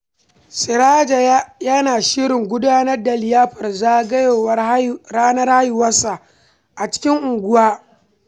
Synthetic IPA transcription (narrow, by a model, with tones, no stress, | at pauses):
sɪ˨ɾa˦d͡ʒa˨˦jaː˦naː˨ʃɪ˦ɾɪ˨ŋɡʷʊ˦daː˦nɐ˦rda˨lɪ˨jaː˦ɸɐ˨rzaː˦ɡɐ˦joː˨wɐ˦ɽaː˦nɐ˦rha˦jʊ˨wɐ˦sːa˨ | ʔa˨t͡ʃɪ̥˦kʲɪ˦ŋʔʊ˨ŋɡʷʊ˦waː˦